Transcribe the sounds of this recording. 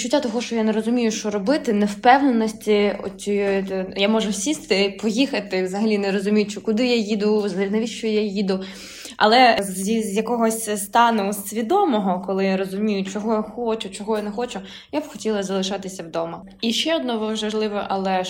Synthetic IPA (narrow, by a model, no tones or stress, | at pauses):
t͡ʃʊtʲːat̪ɔɦɔʃt͡ʃɔjaneɾɔzʊmʲijʊʃt͡ʃɔɾɔbɪt̪ɪnɛwpɛwnenɔsʲtʲiɔ̰t͡sʲɔjɔjjamɔʒɛwsʲist̪ɪpɔjixɐt̪ɪwzɐɦɐlʲinɛɾɔzʊmʲijʊt͡ʃɔkʊd̪ɪjajid̪ʊzɐɦlʲinɐʋʲiʃt͡ʃɔjajid̪ʊ | ɐ̰lˠɛzzʲjɐkɔɦɔsʲst̪ɑnɛsʲʋʲid̪ɔmɔɦɔkɔlˠɪjaɾɔzʊmʲijʊt͡ʃɔɦɔjaxɔt͡ʃʊt͡ʃɔɦɔjanɛxɔt͡ʃʊ | jabxɔtʲilˠɐzɐlˠɪʃɑt̪ɪsʲɐwd̪ɔmɐ | iʃɛɔd̪̚nɔʋɐʒɐʒlˠɪʋɛʔɐlˠɛ